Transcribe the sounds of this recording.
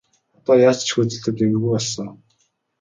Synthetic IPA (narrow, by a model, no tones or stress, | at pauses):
ɔt̪ɔːjaːt͡ɕt͡ɕʰxut͡sɘ̆ɬt̪ɘ̆t̪emɘ̆ɣujpɔɮsɞ̆ŋ